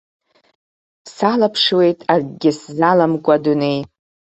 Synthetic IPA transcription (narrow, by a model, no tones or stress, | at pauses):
salapʰʂwe̞jtʼarɡʲɪszalamkʷʼadune̞j